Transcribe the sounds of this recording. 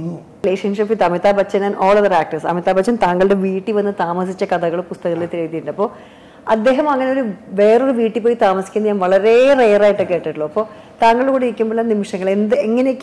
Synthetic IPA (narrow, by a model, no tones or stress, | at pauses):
leːʂɐnʂipid̪ɐmit̪ːaːbɐt͡ɕːɐnɐnoːɭɐʋɐɾaːk̚ʈɐsɐ̰mit̪ːaːbɐt͡ɕːɐnt̪aːŋːɐɭɨɽe̞ʋiːʈːiʋɐnːɨt̪aːmɐsit͡ɕːɐkɐd̪ɐɣɐɭpust̪ɐɣɐɭet̪iɻɐt̪iuɳɖɐpːo̞ː | ɐd̪ːe̞ːɦɐmɐŋːɐneo̞ɾuʋe̞ːroruʋiːʈːipːoːjit̪aːmɐsi̥kʲːunːɐɲaːnʋɐɭɐɾereːraːjiʈːɨke̞ːʈːiʈːuɭːoːɐpːo̞ː | t̪aːŋːɐɭkuːɽiikʲːumboːɭlanimiʂɐŋːɐɭend̪ɨeŋːɐnekː